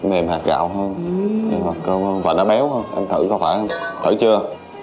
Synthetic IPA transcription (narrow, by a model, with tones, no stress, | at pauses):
me˨˩mhaː˨˩k̚ɣa̰ː˧˨wɦəː˧nɲɨ˧ŋmaː˨˩kəː˧wəː˧nvaː˨˩ɗa̰ː˧˥ɓɛ˨˦whəː˧nʔa˧nt̪ʰɨ̰˧˨kɔ˨˦faː˧˩jʔmt̪ʰə̰˧˩t͡ɕɨ˧ə